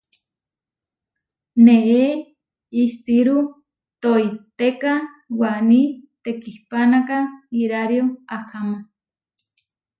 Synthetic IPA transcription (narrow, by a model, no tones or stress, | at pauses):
nee | isiɾu | t̪oit̪ekawanit̪ekihpanakaiɾaɾjoahamo